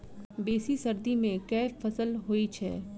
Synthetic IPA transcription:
beːsisɐɾd̪imẽkɛːfɐsəlɦoːit͡ʃʰɛ̰ː

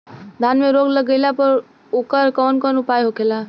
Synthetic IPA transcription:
d̪ʱanmeɾoɡləɡəlapəɾ | okəɾkɔnkɔnupajɦokela

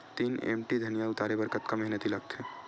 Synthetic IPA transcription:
t̪iːnḛːmʈid̪ʱɐnijaʊt̪aːɾebəɾkət̪kamɛɦnət̪ilɐɡt̪ʰeː

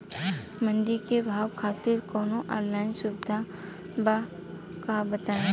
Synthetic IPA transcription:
mə̃ɳɖikebʱaːwkʰaːt̪iɾkɔːnoʔa̰ːɾlaːɪnsʊbɪd̪ʱa | ba | kabət̪aːe

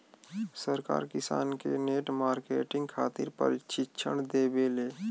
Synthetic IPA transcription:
səɾka̰ːɾkɪsa̰ːnkeneːʈmaːɾkeːʈɪ̃ŋɡkʰaːt̪ɪɾpə̰ɾɪt͡ʃɪtːʃʰə̰ɳd̪ebeleː

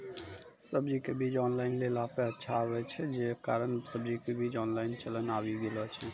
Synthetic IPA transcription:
səbd͡ʒikebʱid͡ʒɔnlaɪnlelapeətːʃʰaːβɛt͡ʃʰɛd͡ʒekaɾənsəbd͡ʒikebʱid͡ʒɔnlaɪnt͡ʃələnabiɡelɔt͡ʃʰɛ

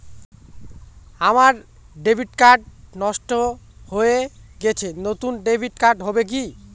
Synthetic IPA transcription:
amaɾ | ɖebʱiʈkaɾɖ̚nɔʃʈohoeɡet͡ɕʰenot̪unɖebʱiʈ̚kaɾɖɦɔbek̬i

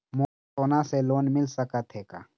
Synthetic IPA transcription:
moː | t̪oːnãseloːnmɪlsəkət̪ɦeːka̰ː

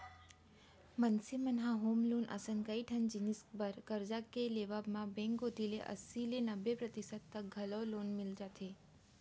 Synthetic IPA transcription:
mənsimənɦãɦomlonʔə̰səŋkaiʈʰənd͡ʒiniskbəɾkəɾd͡ʒakeleʋabmãbɛ̃ŋkɡot̪ilḛʔə̰silenəbepɾət̪isəd̪̚t̪ːəɡʱəlɔlonmɪld͡ʒat̪ʰe

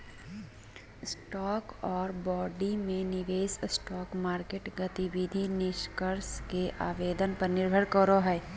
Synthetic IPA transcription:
sʈɔːkɔːɾbɔːɖimẽnɪʋeːssʈɔːkmaːɾkeːʈɡət̪iʋid̪ʱinɪʃkəɾskeʔaːʋeːd̪ənpɐɾnɪɾbʱəɽkəɾoɦɛː

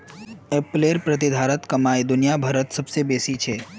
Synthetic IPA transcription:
eːpleːɾpɾɐt̪̬ɪd̪ʱaːɾət̪kɐmaːed̪ʊnijabʱɐɾət̪sɐbsebeːsit͡ʃʰeː

